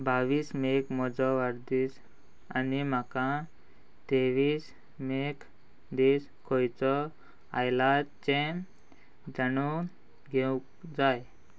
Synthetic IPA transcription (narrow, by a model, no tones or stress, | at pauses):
baʋiːsmekmɔd͡zɔʋaɾd̪iːs | anim̤akã | t̪eʋiːs | mek | d̪is | kʰɔjt͡sɔ | ajlat͡ɕẽ | d͡zañu | ɡʱeukd͡zaj